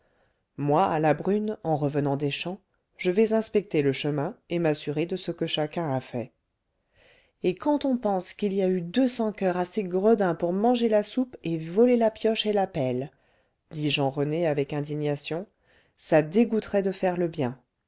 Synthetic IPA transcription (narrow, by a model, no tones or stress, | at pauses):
mwaalabʁynɑ̃ʁəvənɑ̃d̪eʃɑ̃ | ʒ̥əvɛzɛ̃spɛk̚t̪eləʃəmɛ̃emasyʁed̪əsəkəʃakʲɛ̃afɛ | ekɑ̃t̪ɔ̃pɑ̃skiliayd̪øsɑ̃kœʁaseɡʁəd̪ɛ̃puʁmɑ̃ʒelasupevɔlelapjɔʃelapɛl | d̪̥iʒɑ̃ʁəneavɛkɛ̃d̪iɲasjɔ̃ | sad̪eɡut̪χɛd̪əfɛʁləbjɛ̃